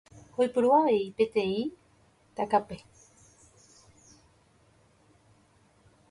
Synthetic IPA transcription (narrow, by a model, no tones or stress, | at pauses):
hojpɨɾuaʋe̞ipẽ̞t̪ẽ̞ĩ | t̪akape